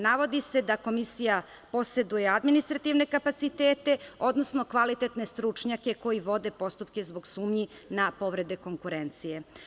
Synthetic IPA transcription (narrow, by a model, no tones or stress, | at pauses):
naʋo̞d̪ise̞d̪ako̞misija | po̞se̞d̪ujead̪minist̪ɾat̪iʋne̞kapat̪sit̪e̞ːt̪e̞o̞d̪no̞sno̞kʋalit̪e̞t̪ne̞st̪ɾut͡ʃɲake̞ko̞jiʋo̞d̪e̞po̞st̪upke̞zbo̞ɡsuːmɲinapo̞ʋɾe̞d̪e̞ko̞ŋkuɾent̪sije